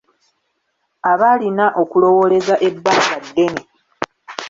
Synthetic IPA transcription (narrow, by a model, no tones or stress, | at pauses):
aβalinaʔokulo̞wo̞le̞zaʔe̞bːaːkadːe̞ne